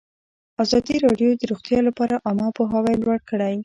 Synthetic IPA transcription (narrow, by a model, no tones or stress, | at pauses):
azɑd̪iɾɑɖjod̪əɾoɣt̪jɑlapɑɾaʔɑmɑpoɦawajlwaɽkəɽaj